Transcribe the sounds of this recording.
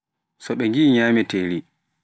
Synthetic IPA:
sɔɓɛŋɡiɲaːmɛteli

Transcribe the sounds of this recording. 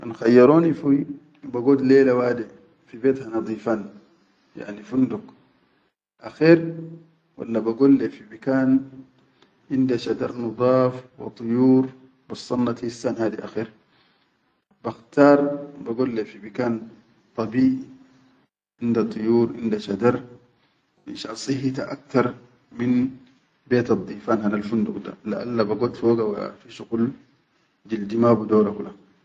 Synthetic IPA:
ʔanxajːɑɾoːnifui | baɡoːd̪leːlawaːd̪i | fibeːt̪hanɑd̪ˤiːfan | ja̰ʕnifund̪uk | ʔaxeːɾ | wa̰lːabaɡolːefibikaːn | ʔind̪aʃad̪ɑɾˤnɑd̪ˤɑːfwɑ̰t̪ˤujuːɾ | bɑsˤːɑnːɑt̪hisːanhaːd̪iʔaxeːɾ | b̥axt̪ɑːɾˤbaɡolːefibikaːn | t̪ˤɑbiːʔi | ʔind̪at̪ˤːujuːɾʔind̪aʃad̪ɑɾˤ | ʔinʃasˤɨɦit̪aʔa̰k̚t̪ɑɾˤ | min | beːt̪ɑd̪ˤːiːfaːnɦanalfund̪uqd̪a̰laʔa̰lːabaɡod̪fooɡawaa̰fiʃuɡul | d͡ʒild̪imaːbud̪oːɾakula

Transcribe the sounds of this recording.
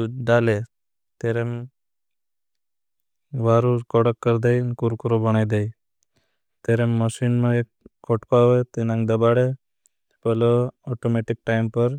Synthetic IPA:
d̪ale | t̪eɾem | ʋaːɾukɔɽəkːəɾd̪ejnkuɾkɾobəñajd̪ej | t̪eɾemːəsinmẽekkːɔʈkaʋet̪inãŋɡd̪əbaɽe | pəloɔʈomeʈik̚ʈaɪmpəɾ

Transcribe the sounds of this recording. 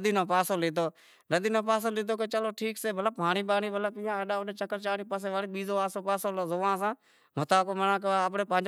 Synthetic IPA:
d̪iːnõːpaːsoːliːt̪oː | nəd̪iːnõːpaːsoːlɪːt̪oːket͡ʃəloːʈʰiːkseːbələb̚pɦaːɳiːɓaːɳiːbʱələbɪːãːəɗaːʊɗeːt͡ʃəkəɾt͡ʃaːɽiːpəs̬eːʋaːɽiːɓiːzoːaːsoːpaːsoːlːzoːãːs̬ãː | mət̪aːkoːmənãːkːəpɳeːpãːd͡ʒ

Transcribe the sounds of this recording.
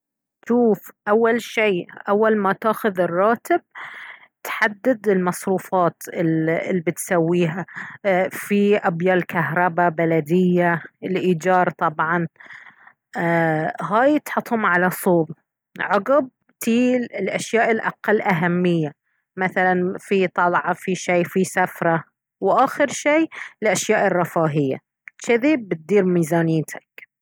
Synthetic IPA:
ʃuːfʔawːalʃiːʔawːalmat̪aːxʊðɪrˤːɑːt̪ɪb̚ | t̪ħad̪ːɪd̪ɪlmɑsˤɾuːfɑːt̪ɪɪlːibɪt̪sawːiːɦa | fiʔabjɑːlkaɦɾˤɑbabalad̪ɪjːaɪlʔiːd͡ʒɑːɾˤt̪ˤɑbʕɑn | ɦaːjt̪ħʊt̪ˤːhʊmʕalasˤuːb | ʕʊɡɪb̚ | t̪iːlɪlʔaʃjaːʔɪlʔa̰qalːʔaɦamːɪjːa | maθalanfit̪ˤɑlʕɑfiʃeːfisafɾˤɑ | wʔaːxɪɾʃeːlʔaʃjaːʔɪrˤːɑfaːɦɪjːa̰ | ʃaðiːbːɪt̪̚d̪iːɾmiːzaːnɪːt̪ʰak

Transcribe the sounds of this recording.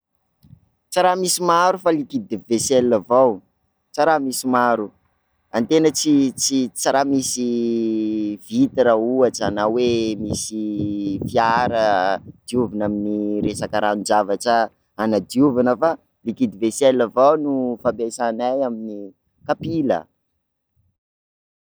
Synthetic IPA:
t͡saɾamisimaɾufalikid̪ivesɛlːavaw | t͡saɾamisimaɾu | ant̪enət͡sit͡sit͡saɾamisi | vit̪iɾauaʈ͡ʂanawemisifiaɾəd̪̥iuvanaminiɾesakəɾaund͡ʒavaʈ͡ʂə | anad̪iuvanəfa | likid̪ivesɛlːavawnufabesanajamini | kapilə̰

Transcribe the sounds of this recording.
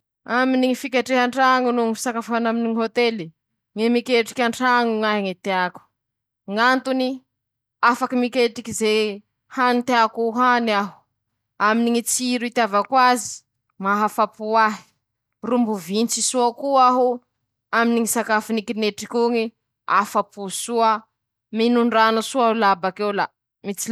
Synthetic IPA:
aminiŋifikʲaʈ͡ʂeɦaɳʈ͡ʂaŋunuŋifi̥sakaffanaminiŋiɦot̪eli | ŋemikʲeʈ͡ʂi̥kʲaɳʈ͡ʂaŋuŋaɦiŋet̪eaku̥ | ŋant̪uni | afakimikʲeʈ͡ʂikize | hanit̪eakuɦanaɦu̥ | aminiŋit͡siɾit̪avakwazi̥ | maɦafapuaɦi̥ | rumbuvint͡sisuakuaɦu | aminiŋisakafinikineʈ͡ʂikʲuŋi | a̰fapusuə | minuɳɖ͡ʐanasuaɦulabakewla | mit͡si

